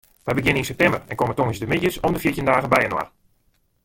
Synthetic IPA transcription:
ʋɛjbəɡjɪninsɛptɛmbərɛ̰nkomətoŋəsdəmɪtjəsɔmdəfjitjəndaːɣəbɛjənwa̰r

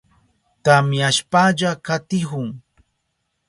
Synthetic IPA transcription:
t̪amjaʃpaʎakat̪ɪhʊŋ

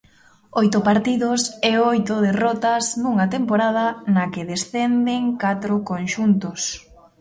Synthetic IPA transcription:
ojt̪ʊpaɾt̪iðʊsɛojt̪ʊðerɔt̪aznuŋat̪empoɾað̞ɐnakeðesθɛnd̪eŋkat̪ɾʊkonʃunt̪ʊs

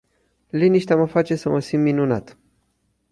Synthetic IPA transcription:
liniʃt̪eaməfat͡ʃe̞səməsimːinuna̰t̪

